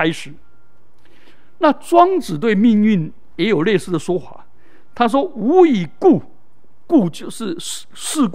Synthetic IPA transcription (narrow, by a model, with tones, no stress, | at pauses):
a˥ɪʂɻ̩˨˩˦ | na˥˨˩t͡swɑ˥ŋt͡sɹ̩˨˩t̪we˥˧ɪmi˥˧ŋy˥˩n | jɛ˧˥jo˨˩ʊle˥˧ɪsɹ̩˥˩d̪ə˩ʂwɔ˥xwa̰˧˦ | t̪ʰa˥ʂ̬wɔ˥u˧˥i˨˩ku˥˩ | ku˥˩t͡ɕjo˥˧ʊʂɻ̩˥˧ | ʂɻ̩˥˧k